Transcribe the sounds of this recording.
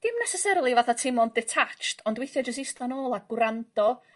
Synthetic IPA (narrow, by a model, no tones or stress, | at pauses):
d̥ɪmnɛsɛsɛɾlˠivaθatʰɪmɔndɛtʰat͡ʃtʰɔndwɪjθjɔd͡ʒəs̬ɪstanoːlˠaɡ̥wɾandɔ